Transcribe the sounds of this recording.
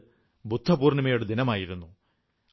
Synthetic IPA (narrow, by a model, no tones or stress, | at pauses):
bud̪ʱːɐpuːrnɐmɐjoɽed̪inɐmaːjiɾunːu